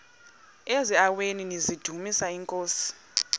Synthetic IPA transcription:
eziaweninizid̥ʱumisaiŋkʼoːsi̥

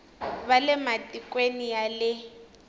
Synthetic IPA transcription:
βalɛmatʼikʼwenijalɪ

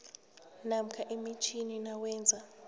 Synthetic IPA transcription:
nam̩kʰaʔimit͡ʃʰininawɛːnd͡zʱa

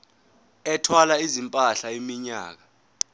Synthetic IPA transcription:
ɛtʰwalaizimpʼaɬaimiɲa̰ːk̬a

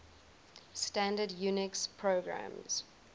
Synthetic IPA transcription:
stãndədjuːnɪkspʰɹoʊɡɹã̰mz̥

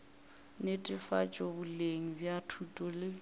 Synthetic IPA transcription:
netʼɪfat͡ʃʼɔbʊleŋ̩bjatʰutʼɔlɪ

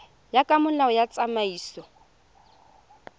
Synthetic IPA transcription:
jakʼamʊlaɔjat͡sʼamaiːsɔ

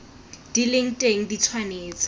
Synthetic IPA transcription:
d̥ilɪŋ̩tʼeŋ̩dit͡sʰwaneːt͡sʼɔ̥

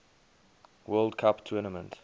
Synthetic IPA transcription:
wɜːldkʰaptʰəːnəmə̰̃nt

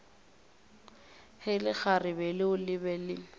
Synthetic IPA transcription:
hɪlɪk͡xarɪbɛlɪʊlɪbɛlɪ

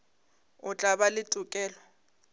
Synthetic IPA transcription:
ʊt͡ɬʼaβalɪtʼʊkʼɛːlɔ

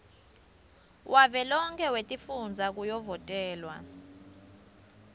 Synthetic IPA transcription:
wʔavɛlɔŋkʰʼɛwetʼifund͡zʱak̬ujɔvɔtʼɛːlwa̰

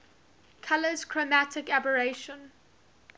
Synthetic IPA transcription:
kʰaləz̥kʰɹ̥omatɪkabəɹeʃə̃n

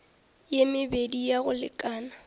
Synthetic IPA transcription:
jemɪbedijaɣʊlɪ̰kʼaːna

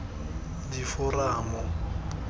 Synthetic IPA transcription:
difʊraːmɔ

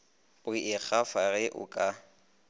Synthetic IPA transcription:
ʊɪk͡xʰafaɣɪʔʊ̰kʼa

